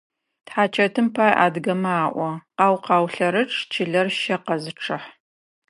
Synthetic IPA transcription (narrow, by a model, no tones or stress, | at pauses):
tħaːt͡ʃʰɐtʰɨmpʰaːjʔa̰ːdɡɐmaːʔʷɔqɑːwqɑːwɬɐɾɨʈ͡ʂʼt͡ʃʰɪɮɐrʃɐqɐzɨʈ͡ʂʰɨħ